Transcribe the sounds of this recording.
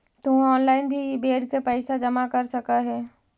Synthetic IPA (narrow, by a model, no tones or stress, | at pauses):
t̪ʊɔːnlaːɪnbʱibeːɽkepɛɪsad͡ʒɐmakɐɾsɐkaɦɛː